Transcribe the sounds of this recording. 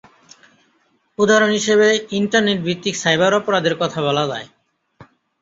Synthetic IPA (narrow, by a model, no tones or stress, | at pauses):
ud̪aɾonɦiʃeβeiɳʈaɾneʈ̚bit̪ːiksajbaɾɔpoɾad̪eɾkɔt̪ʰaβalad̪a̰e